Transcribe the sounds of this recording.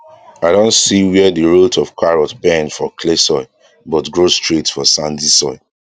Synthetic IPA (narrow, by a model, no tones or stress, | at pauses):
aɪdõntsiwɛɛdiɹotʰɔfkʰaɹɔtbɛ̃nfɔkʰlesɔɪ | bɔtɡɹostɹitfɔsãndisɔɪ